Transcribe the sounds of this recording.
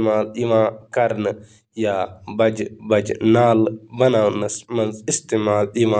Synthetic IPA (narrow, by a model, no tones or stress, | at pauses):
maːliʋãːkɐɾnɨ | jaːbɐd͡ʒbɐd͡ʒnaːlbɐnaːwnɐsmɐnzist̪imaːlɗiʋãː